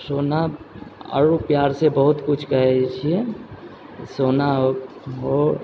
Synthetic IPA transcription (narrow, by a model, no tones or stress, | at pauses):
soːna | ə̰ɾupjaːɾsebəɦʊt̪kʊt͡ʃʰkɐɦet͡ʃʰie | soːnaɦo